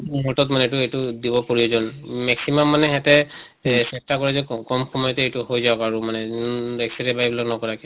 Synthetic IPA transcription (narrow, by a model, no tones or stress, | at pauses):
mɔtɔtmanɛtuejtudibɔpoɹiɔzɔnmɛksimamːanɛɦɛtɛ | sɛstakɔɹɛzɛkɔmxɔmɔjɔtɛejtuhojzaɔkaɹumanɛɛksɛɹɛbajbilaknɔkɔɹakɛ